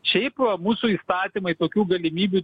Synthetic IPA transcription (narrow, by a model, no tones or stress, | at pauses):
ʃʲɛɪpɐmuːsuːiːst̪ɑːt̪ʲimɐɪt̪oːkʲuːɡɐlʲɪmʲiːbʲu